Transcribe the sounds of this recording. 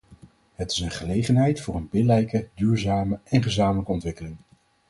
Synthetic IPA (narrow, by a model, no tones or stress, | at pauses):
ɦətɪ̥sənχəlejχənɦɛjtfʊːɹənbɪlɛjkədyːɹzaːməʔɛnχəzaːmələkəɔntʋɪkəlɪŋ